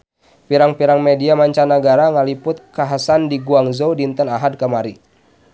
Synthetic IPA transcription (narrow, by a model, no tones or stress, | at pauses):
piɾaŋpiɾaŋmediamaɲt͡ʃanaɡaɾaŋalipʊt̪̚kaɦasandiɡuaŋzodint̪ənaɦad̚kəmaɾi